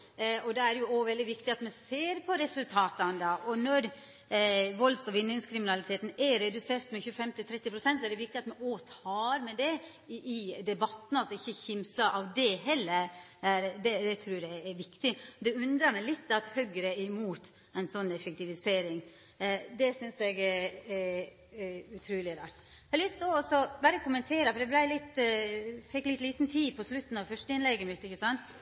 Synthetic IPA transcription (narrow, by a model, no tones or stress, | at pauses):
ɔd̪ɛæɾjʊoʋɛld̪ɪʋɪkt̪ɪɑt̪mɛseːɾpʰɔɾɛsʉlt̪ʰɑːt̪ɑnd̪ɑʔɔnɔɾ | ʋɔlsɔʋɪnːɪŋskʰɾɪmɪnɑlɪt̪ʰeːt̪n̩ɛɾɛd̪ʉseːɾt̪mɛçʉːəfɛmt̪ɪt̪ʰɾɛt̪ːɪpʰɾʊsɛnt̪sɔæɖɛʋɪk̚t̪ɪɑt̪mɛʔoːt̪ʰɑːɾmɛd̪ɛ | ɪd̪ɛbɑt̪ːn̩ɑlsɔɪçːəçɪmsɑʔɑʋd̪ɛɦɛlːəɾæɾd̪ɛd̪ɛt̪ʰɾʉːd̪ææʋɪkt̪ɪɔd̪ɛʉnd̪ɾɑmæɪlɪt̪ːɑt̪hœɡɾəɪmuːt̪ | ɛɪnsɔnːɛfəkt̪ɪʋɪseːɾɪŋ | d̪ɛsʏnsɛɡɛɛ | ʉt̪ʰɾʉːlɪd̪ɑ | ɛlʋɪsd̪oɔsɔbæːɾəkʊmənt̪ʰeːɾəfɔɾɖ̪ɛblæɪlɪt̪ː | fɪkːlɪt̪ːliːt̪nt̪ʰiːpʰɔslʉt̪ːn̩ɑʋfœʂʈəɪnlɛɡːəmɪt̪ːɪçːəsɑnt̪